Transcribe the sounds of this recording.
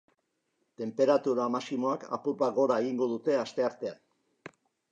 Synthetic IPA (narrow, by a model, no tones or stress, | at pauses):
t̪e̞mpe̞ɾat̪uɾamasimo̞aka̰puɾβaɣo̞ɾae̞ɣiŋɡo̞ðut̪e̞ast̪e̞aɾt̪e̞an